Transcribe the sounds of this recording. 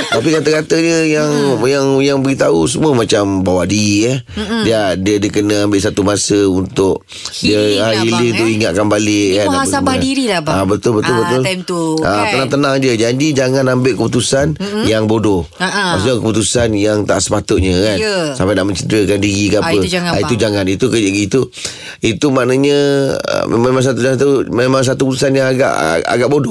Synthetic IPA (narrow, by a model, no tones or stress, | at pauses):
t̪apikat̪akat̪əɲə̃jaŋjaŋjaŋbəɡit̪aus̬əmuəmat͡ʃambawaʔdiɾiədiadiədəkənəambɪʔsat̪umasəunt̪ʊk̚ | diəailɪŋt̪ʊʔiŋaʔ̪̚kanbalɪkanasamadiɾilababət̪ʊlbət̪ʊlbət̪ʊlmt̪uapənaŋt̪ənãŋd͡ʒəd͡ʒadid͡ʒaŋãnambɪʔkəput̪usanjaŋbodo | asakəput̪usanjaŋt̪a̰ʔsə̥pat̪ʊt̪̚ɲəkansampajnaʔmə̃ɲt͡ʃədəkandiɡikapəŋaait̪ud͡ʒaŋanit̪ukəd͡ʒəʔɡit̪u | it̪umaʔnaɲə̃ə̰mḛmemaŋs̬at̪ud͡ʒaŋant̪umemaŋs̬at̪uput̪usanjaŋaɡa̰ʔa̰ɡaʔbodo